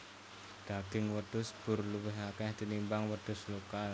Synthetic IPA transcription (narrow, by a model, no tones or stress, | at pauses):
d̪̥aɡ̥ɪŋwəd̪̥ʊsb̥ʊrluwɪɦakɛhd̪̥inimbaŋwəd̪̥ʊ̤slokal